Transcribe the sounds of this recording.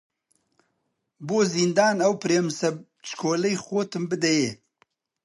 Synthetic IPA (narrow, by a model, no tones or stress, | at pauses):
boːzind̪aːnɐwpɨɾeːmsɐ | t͡ʃkʰoːlɐjxoːt̪ɨmbɨd̪ɛjeː